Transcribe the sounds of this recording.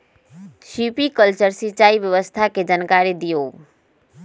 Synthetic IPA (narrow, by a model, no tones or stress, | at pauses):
ʃipikəlt͡ʃəɾsit͡ʃaːiʋjəʋəst̪ʰaked͡ʒankaɾid̪ijo